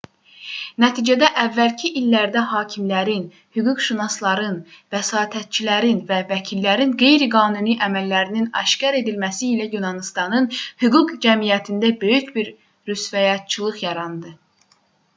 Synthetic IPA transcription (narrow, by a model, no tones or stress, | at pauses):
næt̪ʰiːd͡ʒæd̪æʔævːælcʰiʔilːæɾd̪æhɑːcʰimlæɾin | hyɡuɡʃunɑst̪lˠɑɾɯnvæsɑːt̪ʰæt̪̚t͡ʃʰilæɾinvævæcʰilːæɾinɡe̞jɾiɡɑːnuniʔæmælːæɾininɑ̰ʃcɑɾe̞d̪ilmæsiːlæjunɑnist̪ɑnɯnhyɡuɡd͡ʒæmijæt̪ʰind̪æbø̞jycbiɾ | ɾysvæjɑt̪̚t͡ʃʰɯlˠɯχjɑɾɑnd̪ɯ